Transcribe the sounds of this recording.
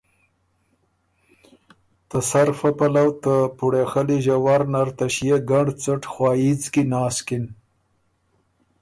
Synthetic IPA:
t̪əsaɾfapalawt̪əpuɽexaliʒawaɾnaɾt̪aʃjeɡaɳɖt͡səʈxwɑːjit͡skinɑːskin

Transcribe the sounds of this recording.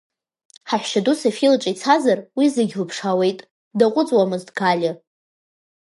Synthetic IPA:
ħaħʷᶣʃadusafilaʈ͡ʂʼit͡sʰazarwizɨɡʲlɨpʰʂawe̞jtʼ | daqʷʼʊt͡sʼwamɨzdɡalʲɪ

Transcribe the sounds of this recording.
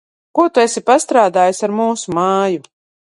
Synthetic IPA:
kuɔt̪uesipast̪ɾaːd̪aːjsaɾmuːsumaːju

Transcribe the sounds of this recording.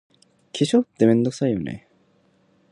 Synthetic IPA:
kʰiɕʰot̪emend̪ok̚s͈ajunḛ

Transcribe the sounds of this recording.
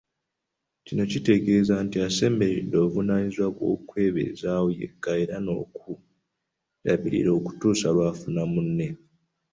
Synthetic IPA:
cino̞cite̞ɡe̞ːzantiase̞ːmbe̞ɾedːo̞ːvunaːɲizwakwo̞̰kwe̞ːβḛzawujḛɡ̥ae̞ɾano̞̰ːku | ɾaβḭɾḭɾo̞ːku̥tuːsalwaːfunamunːe̞

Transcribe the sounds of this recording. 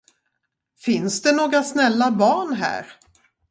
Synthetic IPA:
fɪnsd̪ɛnoːɡɾasnɛlːabɑːɳɦæ̰ːɾ

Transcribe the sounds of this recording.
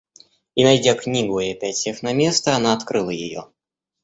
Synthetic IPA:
inajd͡zʲaknʲiɡjɛpʲat͡sʲɛxnamʲɛst̪əːnaːt̪kɾɨlˠəjɪ̰jɔ̰

